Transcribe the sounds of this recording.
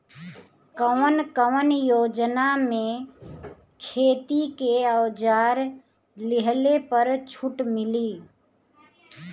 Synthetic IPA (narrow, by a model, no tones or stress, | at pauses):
kəʋənkəʋənjoːd͡ʒnamẽ | kʰeːt̪ikeəwd͡ʒaːɾ | lɪɦlepəɾt͡ʃʰʊʈmɪliː